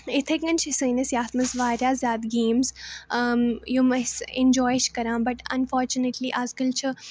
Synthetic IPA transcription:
ɪt̪ʰeɡɐnt͡ʃʰisəːnɐsjaːt̪mɐsʋaːɾjaːzʲjaːd̪ɡẽːmz | jumɐsẽnd͡ʒɔːjʃkɐɾãːbɐʈɐ̰̃nfɔːɾt͡ʃuneʈliːʔaːzkəlt͡ʃʰi

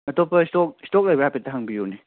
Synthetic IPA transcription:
ɐtɔpɐistɔk̚stɔk̚lajbɾapetaɦaŋbijoni

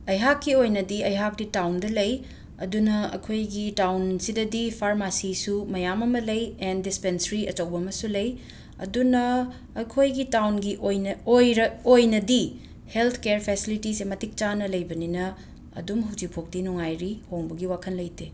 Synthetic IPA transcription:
ɐjɦakːiojnɐdiɐjɦak̚ditawndɐlɐj | ɐ̰dunɐɐ̰kʰojɡitawnsidɐdipʰaɾmasisumɐjamɐmɐlɐjendispensɾiɐt͡ʃɐwbɐmɐsulɐj | ɐ̰dunɐː | kʰojɡitawnɡiʔojojɾojnɐdi | helt̪ʰkeɾpʰesilitisemɐtik̚t͡ʃanɐlɐjbɐninɐ | ɐ̰dumɦud͡ʒipʰok̚dinuŋajɾihoŋbɐɡiwakʰɐnlɐjte

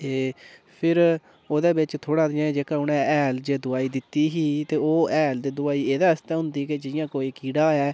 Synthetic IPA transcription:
eː | pʰɪɾ | oːd̪eːbɪt͡ʃt̪ʰoːɽãːd̪ɪãːd͡ʒeːkaːʊnɛ̃ːɛːld͡ʒeːd̪ʊaːiːd̪ɪt̪ːiːɦiːt̪eːoːɛːld̪eːd̪ʊaːiːeːd̪aːəst̪ɛ̃ːɦʊ̃nd̪iːkɪd͡ʒɪjãːkoːiːkiːɽaːɛː

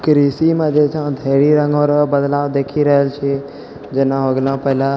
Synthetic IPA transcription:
kɾisimãd͡ʒet͡ʃʰãd̪ʱeɾiɾə̃ŋɡoɾbəd̪laːʋd̪ekʰiɾəɦelt͡ʃʰe | d͡ʒeːnaɦoɡlãpəɦlã

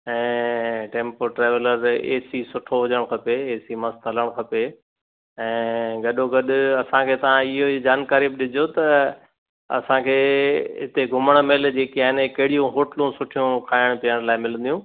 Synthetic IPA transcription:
ɛ̃ːʈẽːmpoʈɾeːʋələɾḛːsisʊʈʰoɦʊd͡ʑəɽ̃kʰɐpeeːsimɐst̪ɐləɽ̃kʰɐpe | ɛ̃ːɡɐɗoɡɐɗʊɐsãkʰeːt̪ɐʋ̤ãɪɦoid͡ʑaːnkaːɾibɪɗɪd͡ʑʱot̪ɐ | ɐ̰sãkʰeːɦɪt̪eɡʱʊməɽ̃meːld͡ʑeːkiaːɦɪnkɐɦɪɽijũɦoːʈəlũsʊʈʰijũkʰaːɪɽ̃piəɽ̃laːɪmɪlə̃n̆d̪ijũː

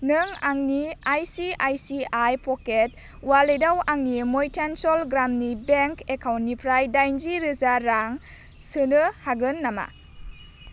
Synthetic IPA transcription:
nɯŋaŋniajsiajsiajpʰɔket̚ | walejdawaŋnimojtʰansɔlɡɾamnibeŋkekʰawntːipʰɾajdajnziɾɯzaɾaŋ | sɯnɯhaɡɯnːama̰

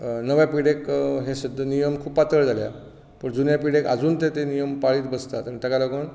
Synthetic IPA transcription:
nəʋjapiɽekɦẽɕid̪ʱənijəmkʰuːpat̪əɭd͡zʱalja̰ | pəɳd͡zunjapiɽeka̰d͡zuːnt̪et̪enijəmpaɭiːt̪bəst̪at̪ənit̪əkaləkoɳ

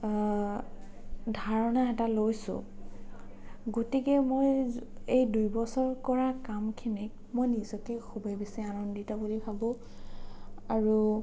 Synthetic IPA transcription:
dʱaɹɔnaɛtalojsʊ̰̃ | ɡotikɛmojejdujbɔsɔɹkɔɹakamkʰinik̚ | mojnizɔkɛxubʱɔjbesianɔnditɔbulibʰʱabɔ̃ | aɹu

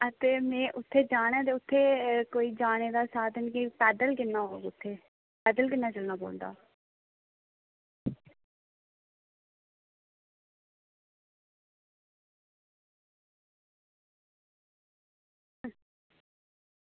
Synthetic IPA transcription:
ət̪eːmɛ̃ːʔʊt̪ʰːeːd͡ʒaːñãːt̪eːʊt̪ʰːeːkoːiːd͡ʒaːɽ̃eːd̪aːsaːd̪ənkipɛːd̪əlkɪnːaːɦoːɡʊt̪ʰːeː | pɛːd̪əlkɪnːaːt͡ʃəlnaːbo̰ːld̪a̰ː

